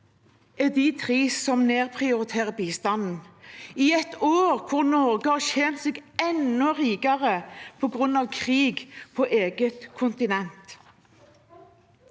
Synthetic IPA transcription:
ɛd̪it̪ʰʁiːsɔmneːʁpʰʁɪʊʁɪt̪ʰeːʁəbiːst̪ɑnn̩iɛt̪oːʁkʰʊʁnɔʁɡəhɑʃeːnt̪seːɡɛnɔʁiːɡɑʁəpʰɔɡʁʉnɑʋkʰʁiːɡpʰoːʔeːɡət̪kʰʊnt̪ɪnɛnt̪

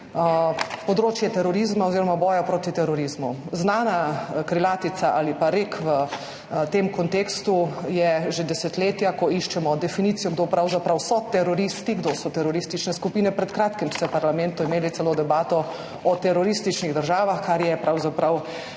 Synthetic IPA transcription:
pɔd̪ɾoːt͡ʃjɛt̪ɛɾɔɾizmaoziːɾɔmabɔːjapɾoːt̪it̪ɛɾɔɾizmuznaːnakɾilaːt̪it̪saʔalipaɾekʰʋə | t̪eːmkɔnt̪eːkst̪ujɛʒed̪ɛsɛt̪leːt̪jakɔiʃt͡ʃɛmɔd̪ɛfiniːt̪sijɔɡd̪oːpɾawzapɾawsɔt̪ɛɾɔɾist̪iɡd̪osɔt̪ɛɾɔɾist̪it͡ʃnɛskupiːnɛpɾɛt̪kɾaːt̪kimsɛwpaɾlamɛ̃nt̪uimeːlit̪ɛloːd̪ɛbaːt̪ɔ | ɔt̪ɛɾɔɾist̪it͡ʃniɣd̪əɾʒaːʋaxkaɾjɛpɾawzapɾaw

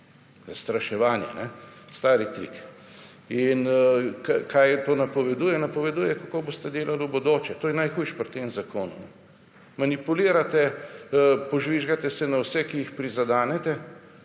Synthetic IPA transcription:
zast̪ɾaʃɛʋaːnjɛ̰nɛst̪aːɾit̪ɾḭk | inkakajt̪oːnapɔʋɛd̪uːjɛnapɔʋɛd̪uːjɛkakoːboːst̪ɛd̪eːlalubod̪oːt͡ʃɛt̪oːjɛnajxuːjʃpɾɔt̪ːeːmzakoːnṵ | manipuliːɾat̪ɛ | pɔʒʋiʒɡat̪ɛsɛnawsɛkijixpɾizad̪aːnɛt̪ɛ

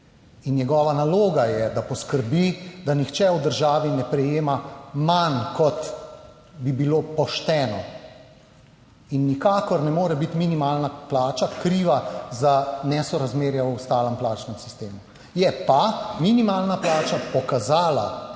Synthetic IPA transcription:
innjɛɡɔːʋanaloːɡajɛd̪apɔskəɾbid̪anixt͡ʃɛwd̪əɾʒaːʋinɛpɾɛjeːmamankɔt̪ | bibiloːpɔʃt̪ɛːnɔ | inːikaːkɔɾnɛmoːɾɛbit̪minimaːlnaplaːt͡ʃakɾiːʋazanɛsɔɾazmeːɾjawst̪aːləmplaːt͡ʃnɛmsist̪eːmu | jɛpaminimaːlnaplaːt͡ʃapɔkazaːla

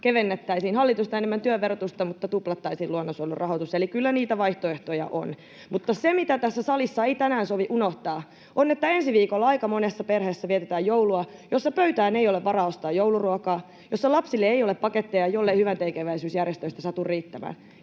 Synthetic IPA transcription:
keʋenːet̪ːæisiːnhɑlːit̪ust̪ɑenemːænt̪yøʋerot̪ust̪ɑmut̪ːɑt̪uplɑt̪ːɑisiːluonːosolːurʔɑhot̪uselikylːæniːt̪æʋɑiht̪oeht̪ojɑ̰ʔo̰n | mut̪ːɑsemit̪æt̪æsːæsɑlisːɑeit̪ænæːnsoʋiʔunoht̪ɑː | ʔonet̪ːæensiʋiːkolːɑɑikɑmonesːɑperheːsːæʋiet̪et̪æːjjouluɑjosːɑpøyt̪æːneijoleʋʋɑrɑːost̪ɑːjjouluruɑkɑː | josːɑlɑpsilːeeijoleppɑket̪ːejɑjolːehyʋænt̪eikeʋæisyːsjærjest̪øist̪ɑsɑt̪urriːt̪ːæmæ̰ːn

